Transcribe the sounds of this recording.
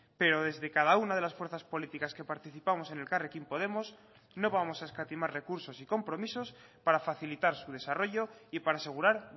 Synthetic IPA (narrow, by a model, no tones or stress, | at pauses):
pe̞ɾo̞ð̞e̞zðe̞kað̞aunað̞e̞lasfwe̞ɾθaspo̞lit̪ikaske̞paɾt̪iθipamo̞se̞ne̞lkarekimpo̞ð̞e̞mo̞s | no̞β̞amo̞saeskat̪imaɾre̞kuɾso̞siko̞mpɾo̞miso̞spaɾafaθilit̪aɾsuð̞e̞saro̞ʝo̞ipaɾase̞ɣ̞uɾaɾ